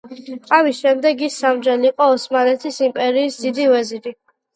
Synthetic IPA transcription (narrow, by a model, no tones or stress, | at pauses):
qʼavisʃɛmd̪ɛɡisːamd͡ʒɛliiqʼɔɔsmanɛt̪ʰisimpʼɛɾiːsd̪id̪ivɛzid̪i